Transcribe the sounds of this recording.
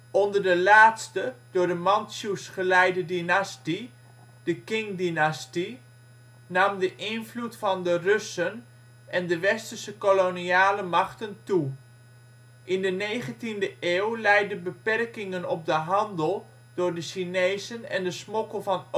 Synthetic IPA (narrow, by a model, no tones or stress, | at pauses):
ɔndərdəlaːtstəd̥ʊːɹrdəmɑnsusχəlɛjdədinasti | d̥əkɪŋdinasti | nɑmdəʔɪnvlutfɑndərøsən | ʔɛndəʋɛstərsəkoloniaːləmɑχtəntu | ʔɪndənejχəntindəʔeːwlɛjdəbəpɛrkɪŋənɔp̚dəɦɑndəlˠ | d̥ʊːrdəʃinejzənɛ̰ndəsmɔkəlˠvɑn